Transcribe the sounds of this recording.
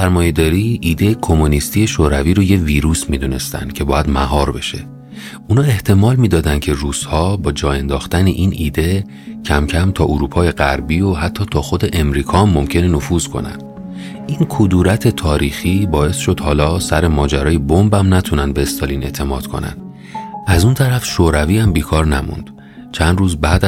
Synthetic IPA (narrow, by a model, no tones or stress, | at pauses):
sæɾmɒːje̞d̪ɒːɾiːʔiːd̪e̞jekʰo̞munist̪ije̞ʃoɾæviːɾoje̞viːɾuːsmid̪une̞̰st̪æ̰nd̪̥̚cʰe̞bɒːjæd̪mæ̰ɦɒːɾbe̞̰ʃe̞̰ | uːnɒːe̞ht̪ʰe̞mɒːlmiːd̪ɒːd̪ænd̪cʰe̞ruːz̥hɒːbɒːd͡ʒɒːe̞nd̪ɒːxt̪ænḛʔinʔiːd̪e̞ | cʰæmcʰæmt̪ʰɒːʔoɾuːpʰɒːje̞ɣæɾbioɦæt̪ʰːɒːt̪ʰɒːxo̞d̪e̞ʔe̞mɾiːkʰɒːmːo̞mcʰe̞nenofuːzkʰo̞̰næ̰nd̪̥ | ʔinkʰod̪uːɾæt̪ʰe̞t̪ʰɒːɾiːxiːbɒːe̞sʃo̞d̪hɒːlɒːsæɾe̞mɒːd͡ʒæɾɒːjebombæmnæt̪ʰunænbeːst̪ɒliːne̞̰t̪ʰe̞mɒ̰ːd̪̥kʰo̞̰næ̰n | ʔæzunt̪ʰæɾæfʃoːɾæviːæmbiːkʰɒːɾnæmṵnd̪̥ | t͡ʃʰænd̪ruːzbæːd̪